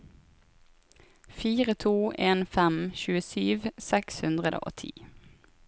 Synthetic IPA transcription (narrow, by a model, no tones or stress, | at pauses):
fiːʁət̪ʰuːʔeːnfɛmʃʉːəsyːʋsɛkshʉnd̪ʁəd̪ə̰ʔo̰ːt̪ʰḭː